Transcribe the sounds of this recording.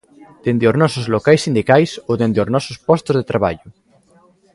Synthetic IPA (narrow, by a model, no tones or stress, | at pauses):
d̪̥end̪eoznɔsozlokajsːind̪ikajsoðend̪eoznɔsospɔst̪ozðet̪ɾaβ̞a̰ʎʊ